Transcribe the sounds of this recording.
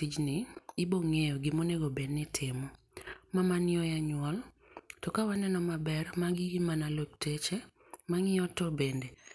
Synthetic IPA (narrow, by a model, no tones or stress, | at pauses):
id͡ʒnɪɪboŋejoɡɪmoneɡobednɪtʰɪmɔ | mamanjɔjaɲwɔl | tɔkawanɛnɔmabɛrmaɡɪɪmanalok̚tet͡ʃe | maŋɪɔtɔbende